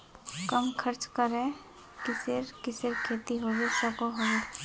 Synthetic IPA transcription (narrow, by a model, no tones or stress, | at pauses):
kəmkʰəɾt͡ʃkəɾẽ | kɪsɪɾkɪsɪɾkʰeːt̪iɦoːɡesɔkoɦoe